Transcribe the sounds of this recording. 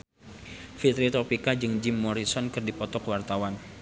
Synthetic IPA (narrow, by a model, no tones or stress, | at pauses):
fit̪ɾit̪ɔpikad͡ʒɨŋd͡ʒɪmːɔɾisɔnkɨrdipɔt̪ɔkwart̪awan